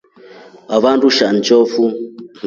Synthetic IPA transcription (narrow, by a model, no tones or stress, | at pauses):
βaβanduʃant͡ʃɔfu